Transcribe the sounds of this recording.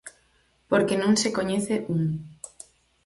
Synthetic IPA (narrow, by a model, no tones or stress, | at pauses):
poɾkenõŋsekoɲeθeʔuŋ